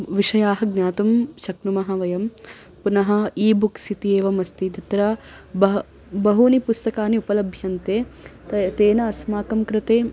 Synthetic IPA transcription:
ʋiʂɐjaːɦɐɡnjaːt̪umʃɐknumɐɦɐʋɐjɐm | punɐɦɐ̆iːbuksit̪ieːʋɐmɐst̪id̪ʱɐt̪ɾɐ | bɐ | bɐɦunipust̪ɐkaːniupɐlɐbʱjɐnt̪eːt̪t̪eːnɐːsmaːkɐmkɾɪt̪eː

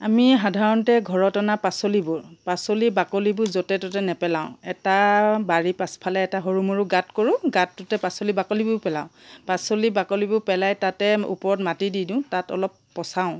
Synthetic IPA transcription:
amiɦadʱaɹɔntɛɡʱɔɹɔtanapasolibʊɹpasolibakolibʊzɔtɛtɔtɛnɛpɛlaʊ̃ɛtabaɹipaspʰalɛɛtaɦoɹumoɹuɡatkoɹʊ̃ɡatːʊtɛpasolibakolibʊpɛla̰ʊ̃pasolibakolibʊpɛlajtatɛṵpɔɹɔtmatididʊ̃tatɔ̰lɔpːɔsaʊ̃

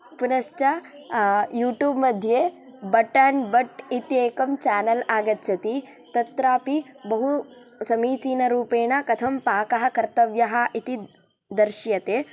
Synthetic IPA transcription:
punɐʃt͡ʃɐ | juːʈjuːbmɐd̪ʱjeːbɐʈaːnbɐʈit̪eːkɐmt͡ʃaːnɐlaːɡɐt̪ːt͡ʃʰɐt̪i | t̪ɐt̪ɾaːpibɐɦu | sɐmiːt͡ʃiːnɐɾuːpeːɳɐkɐt̪ʰɐmpaːkɐɦɐ̆kɐɾt̪ɐʋjɐɦɐʔit̪i | d̪ɐɾʃjɐt̪eː

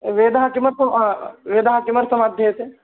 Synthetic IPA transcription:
ʋeːd̪ɦakɪməɾsəmʋeːd̪aɦakɪməɾsəmaːd̪ʱːjese

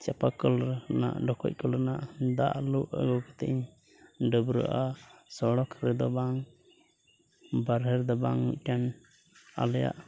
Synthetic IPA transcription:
t͡ʃapakɔlɾna̰ʔɖɔkʰɔ̰c̚kɔlɾɛnaʔd̪a̰ʔluʔɡɔkɔt̪ɛʔiɲ | ɖəbɾə̰ʔasɔɽɔkʰɾɛd̪ɔbaŋ | baɾɦɛɾd̪ɔbaŋːuc̚ˀʈan | a̰lɛja̰ʔ

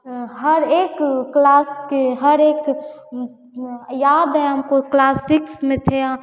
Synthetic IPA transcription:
ɦəɾekklaːskeɦəɾeːk | jaːd̪ɛəmkoklaːsiksmẽt̪ʰea

